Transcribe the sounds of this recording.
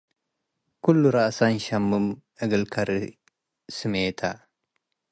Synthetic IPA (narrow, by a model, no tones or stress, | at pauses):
kʊlːʊɾɐsanʃɐmːʊmɐɡɐlkɐɾɪ | sɪmeːt̪ʰa